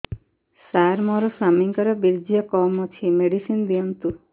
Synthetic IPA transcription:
saɾmɔɾɔsamiŋkɔɾɔbiɾd͡ʒiɔkɔmɔt͡ʃʰimeɽisind̪iɔnt̪u

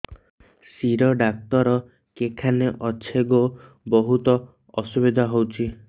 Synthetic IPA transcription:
siɾɔɖak̚t̪ɔɾɔ | kekʰaneʔɔt͡ʃʰeɡo | bɔɦut̪ɔ | ɔsubid̪ʱaɦowt͡ʃʰi

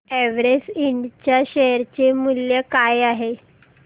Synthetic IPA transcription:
ɛʋɾesiɳɖt͡ɕjaɕeɾt͡ɕemuljəkajaɦe

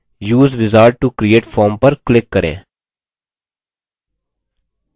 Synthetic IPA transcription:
juːzʋɪzaːɾɖ̚ʈukɾieːʈfʰɔːɾmpəɾklɪkːəɾḛ̃ː

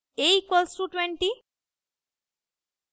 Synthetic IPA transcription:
ejkwɔlsuʈweɳʈi

